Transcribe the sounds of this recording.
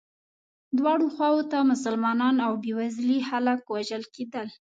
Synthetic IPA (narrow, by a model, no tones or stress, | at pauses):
d̪wɑɽoxwɑwot̪amʊsʊlmɑnɑnawbewazlihalakwaʒəlked̪əl